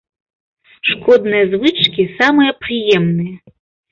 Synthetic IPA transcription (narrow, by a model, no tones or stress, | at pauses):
ʂkɔd̪nɨjɐzvɨt͡ʂkʲisamɨjɐpɾɨjɛmnɨjɐ